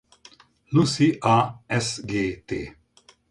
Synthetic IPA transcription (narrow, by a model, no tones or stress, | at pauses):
lusiʔaːɛsɡeːt̪eː